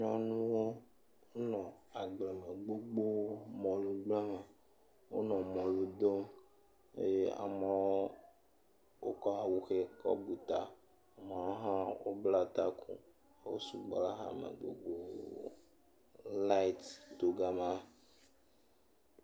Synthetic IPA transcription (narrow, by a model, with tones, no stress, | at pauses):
ɲɔ̃˦nũ˦wo˦ | wo˦nɔ̃˨a˨ɡ͡ble˨me˨ɡ͡bo˦ɡ͡bo˦mɔ̃˨lu˨ɡ͡blɛ˦me˨ | wo̰˦nɔ̃˨mɔ̃˨lu˨d̪o˦m | e˦je˦a̰˨mẽ˦ | wo˦kɔ˦ɦa˨wu˦xe˦kɔ̰˦bu˨t̪a˨ | a˨me˨wo˦ɦã˦wo˦bla˦˨t̪a˦kṵ˦ | wo̰˦sṵ˨ɡ͡bla˦ɦã̰˦mḛ˨ɡ͡bo̰˨ɡ͡bo˦ | la˦i˦t̪t̪o˨ɡa˦mã˦